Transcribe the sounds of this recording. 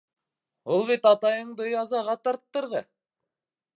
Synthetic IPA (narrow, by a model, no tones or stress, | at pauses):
ulˠβit̪ɑt̪ɑjɤɴd̪ɤjɑzɑʁɑt̪ɑɾt̪ːɤ̆ɾʁɤ